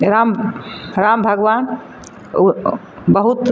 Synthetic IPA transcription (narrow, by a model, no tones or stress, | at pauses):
ɾamɾambʱəɡʋan | bəɦut̪